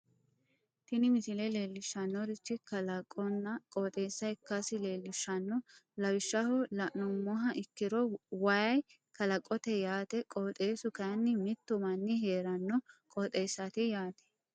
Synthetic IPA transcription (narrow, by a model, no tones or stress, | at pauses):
t̪ɪnɪmɪsɪlɛle̞ːlːɪʃːɐnːɔɾɪt͡ʃːɪkɐlɐkʼːɔnːɐkʼɔːt̪ʼe̞ːsːɐɪkːɐsɪle̞ːlːɪʃːɐnːɔlɐwɪʃːɐhɔlɐʔnɔmːɔɦɐʔɪkːɪɾɔwɐjɐj | kɐlɐkʼːɔt̪ɛjaːt̪ɛkʼot̪ʼe̞ːsʊkɐjɐnːɪmɪt̪ːʊmɐnːɪɦe̞ːɾɐnːɔkʼɔt̪ʼe̞ːsːɐt̪ɪjaːt̪ɛ̥